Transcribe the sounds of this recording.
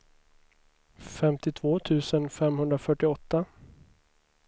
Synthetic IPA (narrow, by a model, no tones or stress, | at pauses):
fɛmt̪ɪt̪ʰv̥oːt̪ʰʉ̟ːsənfɛmhɵnd̪ɾafœʈːɪɔt̪ːa